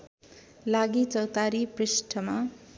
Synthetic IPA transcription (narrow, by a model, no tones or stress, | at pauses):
laɡit͡sʌwt̪aɾiprisʈʰʌma